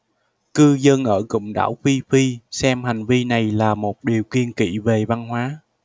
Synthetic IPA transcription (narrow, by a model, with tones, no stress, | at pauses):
kɨ˧zə˧nʔəː˧˩kʊ̰˧˨ŋ͡mɗa̰ː˧˥˩wxi˧fi˧sɛ˧mɦa˨˩jŋ̟vi˧na˨˩jlaː˨˩mo˨˩t̚ɗi˨˩əwki˧ənkḭ˧˩˨ve˨˩va˧nhwaː˨˦